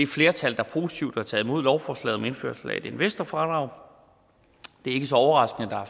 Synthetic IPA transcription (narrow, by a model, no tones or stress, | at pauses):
e̝ɐfle̝ːɐt͡sʰæld̥ɑ̈pʰo̝si̥t͡sʰiʊd̥æɐt͡sʰɛːð̩ˠimo̝ð̞̰ˠlɒʊfɒːslɛ̰ːðˠɒ̽me̝nfø̰ɐ̰sl̩æ̰d̥eenʋesd̥ɐfʁɑ̈d̥ʁɑ̈ʊ̰ | d̥e̝æɐe̝ɡ̥əsɒ̽ɒʊɐʁɑ̈sɡ̥ənəd̥ɑ̈æɐ